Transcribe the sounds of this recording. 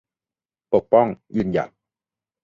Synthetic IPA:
po˨˩k̚pɔ˥˩ŋjɯː˧˩nja̰˨˩k̚

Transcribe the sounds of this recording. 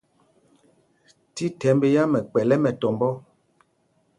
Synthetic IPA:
ti˦tɛ˨˦mbe˦ja˦mɛ˨k͡pɛ˨lɛ˦mɛ˨tɔ˨mbɔ˦

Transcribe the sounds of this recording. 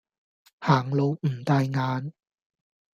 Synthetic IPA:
haː˨˩ŋlo˨˧wm̩˨˩t̪aː˧jŋaː˨˧n

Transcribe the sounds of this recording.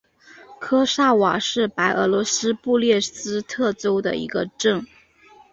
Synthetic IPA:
kʰɤ˥ʂa˥˩wa̰˨˩ʂɻ̩˥˩pa˧˥ɪʔɤ̰˧˥lwɔ˧˥sɹ̩˥pu˥˧ljɛ˥˩sɹ̩˥t̪ʰɤ˥˩ʈ͡ʂo˥ʊd̪ə̰˨ḭ˧˥ɡə̰˧ʈ͡ʂɤ˥˩ŋ

